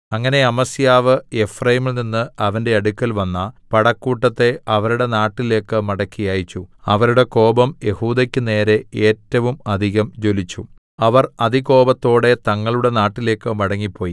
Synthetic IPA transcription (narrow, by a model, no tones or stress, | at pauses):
ɐŋːɐne̞ɐmɐsijaːʋɨe̞frɐjimilninːɨɐʋɐnde̞ɐɽukʲːɐlʋɐnːɐpɐɽɐkːuːʈːɐt̪ːe̞ɐʋɐɾuɽe̞naːʈːile̞ːkːɨmɐɽɐkːijaːjit͡ɕːuɐʋɐɾuɽe̞ko̞ːbɐmje̞huːd̪ɐkʲːɨne̞ːɾe̞eːtːɐʋumɐd̪ʱiɣɐmd͡ʑo̞lit͡ɕːu | ɐʋɐrɐd̪iko̞ːbɐt̪ːo̞ːɽe̞t̪ɐŋːɐɭuɽe̞naːʈːile̞ːkːɨmɐɽɐŋːipːo̞ːji